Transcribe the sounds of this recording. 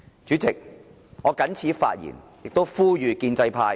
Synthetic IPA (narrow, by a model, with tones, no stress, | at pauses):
t͡ʃyː˨˥t͡sɪ˨k̚ | ŋɔː˨˧kɐ˨˥nt͡sʰiː˨˥fa̰ː˧t̚jḭː˨˩njɪ˨k̚t̪o˥wfuː˥jyː˨˧kiː˧nt͡sɐ˧jpʰaː˧j